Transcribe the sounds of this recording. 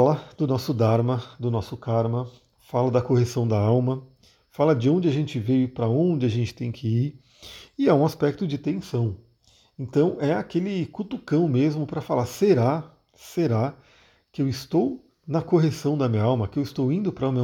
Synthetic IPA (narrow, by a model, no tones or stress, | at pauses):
lɐd̪ʊnɔsʊd̪aɾmɐd̪ʊnɔsʊkaɾmɐ | falɐd̪ɐkoɦesɐ̃w̃d̪ɐawmɐ | falɐd͡ʒɪõnd͡ʒɪaʒẽnt͡ʃɪvejʊpɾɐõd͡ʒɪaʒẽnt͡ʃɪ̥t̪ẽj̃kʰɪiɾ | ɪɛũaspɛk̚t̪ʊd͡ʒɪt̪ẽsɐ̃w̃ | ẽt̪ɐ̃w̃ɛakelɪkut̪ukɐ̃w̃mezmʊpɾɐfalaɾseɾa | seɾa | kɪewɪst̪ow | nɐkoɦesɐ̃w̃d̪ɐmĩɲɐawmɐkɪewɪst̪owĩnd̪ʊpɾɐũme